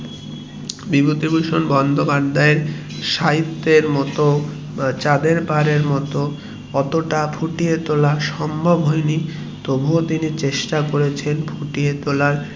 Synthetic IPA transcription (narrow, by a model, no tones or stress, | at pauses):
bibot̪ibuʃonbɔnd̪ʱobad̪ʱːaeɾ | ʃaɦit̪ːeɾmɔt̪o | t͡ɕad̪eɾpaɾeɾmɔt̪o | ɔt̪oʈabʱʰuʈiet̪olaʃɔmbʱobɦojni | t̪obʱot̪init͡ɕeʃʈakoɾet͡ɕʰenbʰuʈiet̪olaɾ